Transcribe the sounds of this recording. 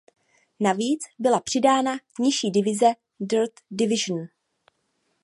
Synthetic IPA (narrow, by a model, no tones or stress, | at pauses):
naviːt͡sbɪlapr̥ɪdaːna | ɲɪʃiːdɪvɪzɛ | dɛɾt̪dɪvɪʒn̩